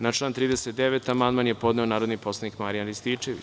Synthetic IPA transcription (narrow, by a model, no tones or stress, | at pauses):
nat͡ʃlˠaːnt̪ɾiːd̪eset̪̚d̪eʋet̪amand̪manjepo̞d̪neo̞naːɾod̪nipo̞slˠanikmaɾijanɾist̪iːt͡ʃeʋḭ